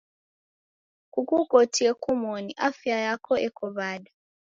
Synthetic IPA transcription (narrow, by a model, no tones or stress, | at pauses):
kukukotiekumoniʔafjajakɔekʰɔβada